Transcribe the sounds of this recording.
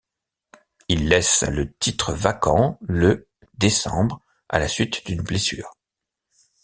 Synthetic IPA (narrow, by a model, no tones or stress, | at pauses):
ilːɛslət̪it̪χəvakɑ̃lə | d̪esɑ̰̃bʁ | a̰lasɥit̪d̪ynblesy̰ːʁ